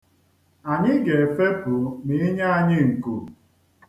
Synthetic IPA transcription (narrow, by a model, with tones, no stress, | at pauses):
a˨ɲɪ˦ɡe˨fe˦pʊ˨mi˨˦ɲa˦a˨ɲɪ˦ŋ̩˨ku˨